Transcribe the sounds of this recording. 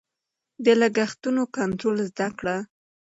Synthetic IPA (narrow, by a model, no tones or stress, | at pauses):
d̪əlaɡaxt̪unokant̪ɾolzd̪akɽa